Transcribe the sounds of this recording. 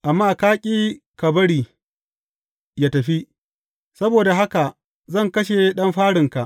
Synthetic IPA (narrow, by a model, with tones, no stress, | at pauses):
ʔa˨mːaː˦˨kaː˦kʲʼiː˦ | ka˨bɐ˦ɽiː˨ | jaː˦tɐ˨ɸi˦ | sɐ˦boː˨da˨ɦa˦ka˨ʔ | zɐ˦˨ŋkɐ˦ʃe˨ɗɐ˦mɸaː˦ɽɪ˨ŋka˨ʔ